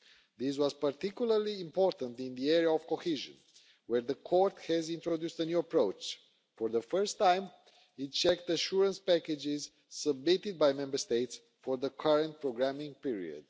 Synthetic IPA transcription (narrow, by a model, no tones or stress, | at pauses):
ðis̬wɔzpaɹt̪ikjulˠəɹlĩːmpɔɹt̪ə̃nt̪ĩnðiɛɹiaɔv̥kohiʒə̰̃n | wɛɹðəkʰɔɾt̪hɛzĩnt̪ɾod̪just̪ənjuəpɹoʊt͡ʃ | fɔɹðəfəɹst̪ːãjm | it̚t͡ʃɛk̚t̪əʃuɹə̃nspækɛd͡ʒɪz | səb̚mit̪id̪̚bajmɛ̃mbəɹst̪eɪt̪s | fɔɹðəkʰaɹə̃nt̪̚pɹoɡɾæmĩŋpiɹḭə̰d̪̚